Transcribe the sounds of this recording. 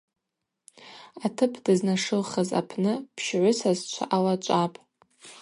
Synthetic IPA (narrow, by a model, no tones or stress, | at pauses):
atʰɨpʰdɨznaʂɨlχaza̰pʰnɨpʰʃʕʷʊsazt͡ʃʷʰa̰ʔalat͡ʃʷʼapʼ